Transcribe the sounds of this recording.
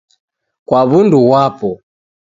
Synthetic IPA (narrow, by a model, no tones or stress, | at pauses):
kwaβunduwapɔ